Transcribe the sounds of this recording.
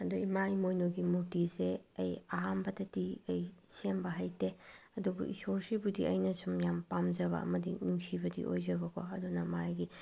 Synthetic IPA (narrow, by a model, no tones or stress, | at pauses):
ɐduimajmojnoɡimuɾtizeɐjɐɦambɐtɐtiɐjsembɐɦajteɐdubṵʔḭsoɾsibudiʔɐjnɐsumjampamzɐβɐ̰ɐ̰mɐdḭnuŋsibɐdḭʔo̰jzɐbɐkʰoɐdunɐmajɡi